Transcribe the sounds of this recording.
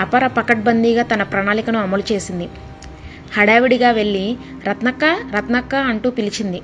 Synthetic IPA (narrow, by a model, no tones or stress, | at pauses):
ɐpɐɾɐpɐkɐʈ̚bɐnd̪iːɡaːt̪ɐnɐpɾɐɳaːlikɐnuɐmɐlut͡ʃe̞ːsind̪i | hɐɽaːʋiɽiɡaːʋe̞ɭːi | ɾɐt̪nɐkːaːɾɐt̪nɐkːaːɐɳʈuːpilit͡ʃind̪i